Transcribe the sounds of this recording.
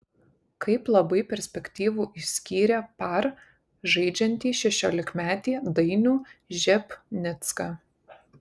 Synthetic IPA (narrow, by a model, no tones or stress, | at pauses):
kɐɪplˠɐbɐɪpʲɛɾʲsʲpʲɛkʲt̪ʲiːʋuːʔisʲkʲiːɾʲɛpɐɾ | ʒɐɪd͡ʒʲɛnʲt̪ʲiːʃʲɛʃʲoːlʲɪkmʲæːt̪ʲiːd̪ɐɪnʲuːʒʲɛpnʲɪt̪skɑ